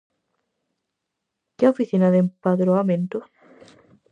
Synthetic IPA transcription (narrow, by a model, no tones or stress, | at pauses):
keofiθinaðempaðɾoamẽnt̪o